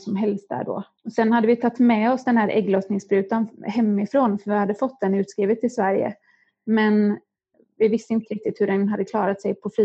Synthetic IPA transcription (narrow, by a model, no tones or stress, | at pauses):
sɔmɦɛlst̪̚d̪æ̰ːɖɔ̰ | ɔsɛnːhad̪ːəvɪt̪ʰat̪ːmɛɔsd̪ɛnhæːɾʔɛ̰ɡløːsnɪŋsbɾʉ̟ːt̪anhɛmːɪfɾoːnfœɾvɪhad̪ːəfɔt̪ːd̪ɛnʉ̟ːt̪skɾiːvət̪ʰːɪlsvæɾjə̰ | mɛn | vɪvɪst̪əɪnt̪əɾɪk̚t̪ɪt̪hɵɖɛnɦad̪ːəkʰlɑːɾat̪sɛjpʰɔfɾiː